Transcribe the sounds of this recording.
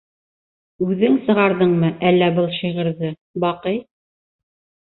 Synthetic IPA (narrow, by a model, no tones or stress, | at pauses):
ʉðɘŋsɤ̆ʁɑɾðɤɴmɤʔælːæbɤlˠʃiʁɤ̆ɾðɤ | bɑqɤj